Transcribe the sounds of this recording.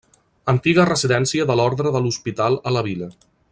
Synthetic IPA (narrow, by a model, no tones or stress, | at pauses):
ənt̪iɣərəziðɛnsiəðəlɔɾðɾəðəluspit̪alˠələβ̞ilə